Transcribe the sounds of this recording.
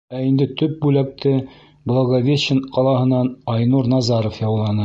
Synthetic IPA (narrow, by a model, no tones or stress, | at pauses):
æind̪ɘt̪ɵp̚bʉlæk̚t̪ɘ | blˠoɡovʲeɕɘnqɑlˠɑɦɤ̆nːɑnɑjnuɾnɑzɑɾŏfjɑwlˠɑnɤ